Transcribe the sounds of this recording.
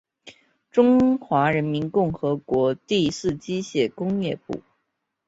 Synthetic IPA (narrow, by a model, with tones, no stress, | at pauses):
ʈ͡ʂʊ˥ŋxwa˧˥ɻə˧˥nmi˧˥nkʊ˥˩ŋxɤ˧˥kwɔ˧˥t̪i˥˧sɹ̩˥˩t͡ɕi˥ɕjɛ˥˩kʊ˥ŋjɛ˥˧pṵ˥˩